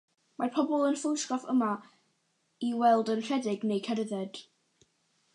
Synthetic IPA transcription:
marpʰɔbɔlˠənfɪlɪskɔfəma | iwɛlˠdənr̥ɛdɪɡnejkʰɛɾəðɛd̥

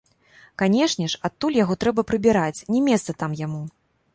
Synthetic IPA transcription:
kanʲɛʂnʲɛʂat̪ːulʲjaɣɔt̪ɾɛbɐpɾɨbʲɛɾat͡sʲnʲɛmʲɛst̪sɐt̪amjamu

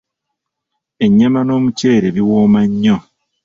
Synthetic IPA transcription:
eɲːamano̞ːmuceːɾeβiwoːmaɲːo

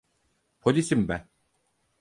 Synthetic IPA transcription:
pʰolʲisimbæn

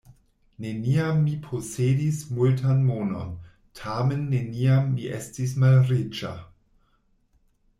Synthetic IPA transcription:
neniamːipʰosedismultʰanmono̰n | tʰamenːeniamːiʔestismalɾit͡ʃa̰

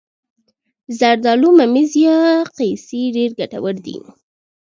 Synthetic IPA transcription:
zaɾd̪ɑlumamizijɑqejsiɖeɾɡaʈa̰wəɾd̪ḭ

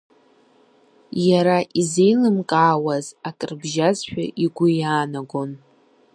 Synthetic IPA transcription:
jaɾaʔize̞jlɨmkʼaːwazakʼrbʒazħᶣa̰ʔiɡʷʊjaːnaɡʷon

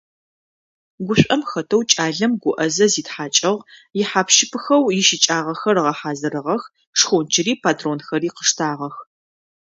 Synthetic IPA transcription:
ɡʷʊɕʷʼɐmxɐtʰɐwt͡ʃʼaːɮɐmɡʷʊʔɐzɐziːtħaːt͡ʃʼɐʁjɪħaːpʃɪpʰɨxɐwjɪʃit͡ʃʼaːʁɐxɐrʁɐħaːzɐɾɨʁɐx | ʂxond͡ʒɪɾiːpʰaːtʰroːnxɐɾiːqəʂtʰaːʁɐx

